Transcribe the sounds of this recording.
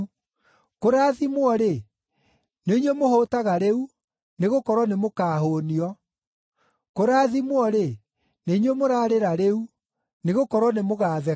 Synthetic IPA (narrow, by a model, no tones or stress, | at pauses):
koɾaːðimwɔɾe | neiɲwemohotaɣaɾeu | neɣokɔɾwɔnemokaːɦoniɔ | koɾaːðimwɔɾe | neiɲwemoɾaːɾeɾaɾeu | neɣokɔɾwɔnemoɣaːðɛ